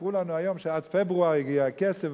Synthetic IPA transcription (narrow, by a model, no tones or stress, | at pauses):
ʁulanuajomʃead̪febʁuaʁiɡiakesev